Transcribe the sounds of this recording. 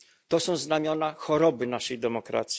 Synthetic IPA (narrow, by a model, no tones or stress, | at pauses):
t̪ɔsɔ̃w̃znamʲjɔnaxɔɾɔbɘnaʂɛjd̪ɛmɔkɾa̰t̪sʲi